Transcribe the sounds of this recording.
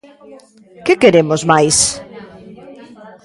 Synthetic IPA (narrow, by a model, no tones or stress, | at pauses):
kɪkeɾemʊzmajs